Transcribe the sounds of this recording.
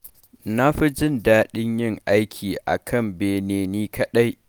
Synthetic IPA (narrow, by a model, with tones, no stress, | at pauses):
na˦ɸi˦d͡ʒɪ˦ndaː˦ɗɪ˦ɲjɪ˦˨ŋʔa˦jkʲʰiː˨ʔa̰˨kʰɐ˦mbeː˨neː˦niː˦kʰɐ˦ɗa˦j